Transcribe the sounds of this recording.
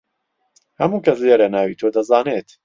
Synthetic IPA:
hɐmuːkɐsleɾɐnaːwiːt̪ʰoːd̪ɐzaːneːt̪

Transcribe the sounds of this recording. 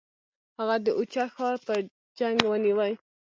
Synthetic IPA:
haɣad̪əʔut͡ʃɑxɑɾpəɾ | d͡ʒaŋɡwəniwəj

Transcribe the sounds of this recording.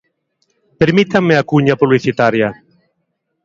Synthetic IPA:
peɾmit̪aŋmeakuɲapuβliθit̪aɾja

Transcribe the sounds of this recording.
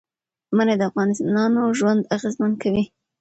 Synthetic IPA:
manad̪əafɣɑnɪst̪nɑnoʒwand̪aɣezmankʰawi

